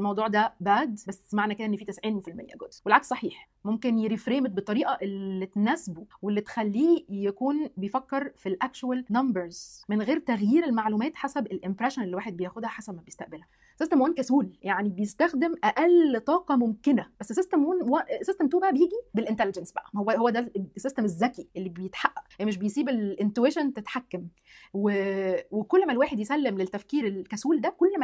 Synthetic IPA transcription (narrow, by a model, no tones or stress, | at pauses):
ʔelmɑwd̪ˤuːʕd̪æbaʕd̪bæsːmaʕnæked̪æʔenːfiːt̪esʕiːnfilmḛjːæ̰ɡod̪welʕakssˤɑħiːħ | momkenjeɾifɾeːmet̪̚bet̪ˤːɑɾiːʔæʔelːit̪næsbuwelːit̪e̥xælːiːjækuːnbejfækːeɾfilʔækt͡ʃuwælnɑmbeɾzmenɣeːɾt̪æɣjiːɾelmaʕluːmæːt̪ħasæbelʔɪmpɾæʃonelːiwaːħed̪bejæːxod̪hæħasæbmæbejest̪æʔbelhæ | sest̪æmwæːnkæsuːljaʕnibejest̪æxd̪emʔæʔælt̪ˤɑːqɑmomkenæbæsːsest̪æmwuːnwæsːest̪emt̪uːbæʔæbejeːɡibelʔent̪æled͡ʒænsbæʔæhowːæhowːæd̪æsest̪æmezːækiʔelːibejet̪ħaʔːæʔmeʃ̬bejsiːbelʔent̪ueʃont̪et̪ħakːæm | wewekolːmælwaːħed̪jesælːemlet̪ːæfkiːɾelkæsuːld̪ækolːmæ